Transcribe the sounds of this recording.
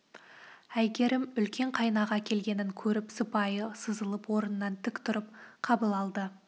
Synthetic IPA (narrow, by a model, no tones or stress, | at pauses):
æjɡʲe̞ɾɪmʏlkʲe̞ɴqʰɑjnɑʁɑkʲʰe̞lɡʲe̞nɪŋkʲʰɵɾɪpsəpɑjəsəzəlˠəpwo̞ɾənənɑnt̪ʰʏkt̪ʰʊɾəp̚qʰɑbəlˠɑlˠd̪ə